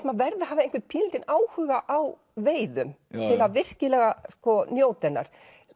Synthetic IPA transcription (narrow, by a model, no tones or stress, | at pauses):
t̪maðvɛɾðaɦaːvaẽnŋkvɪpʰiːlt̪ɪnaːwhʏːɣaʔaw | veːjðʏmt̪ʰɪlaðvɪr̥cɪlɛɣaskɔnjoːwt̪ɛnːa̰ɾ̥